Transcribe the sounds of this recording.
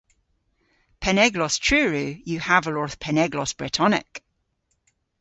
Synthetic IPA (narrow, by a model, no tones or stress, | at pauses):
pʰɛnɛɡlˠɔstʰɹ̥ʉːɹʉjəavəlˠɔɹθpʰɛnɛɡlˠɔsb̥ɹɪtʰɔnɪ̰k